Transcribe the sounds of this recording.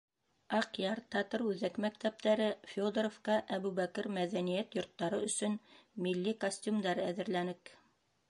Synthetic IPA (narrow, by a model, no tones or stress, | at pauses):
ɑqjɑɾt̪ɑt̪ɤɾʉðækmæk̚t̪æp̚t̪æɾɘfʲod̪ɾofqɑʔæβʉβækɘɾmæðænijæt̪jŏɾt̪ːɑɾɤɵ̆sɵnmilːikosʲtʲumd̪ɑɾɤæðɘ̆ɾlænɘk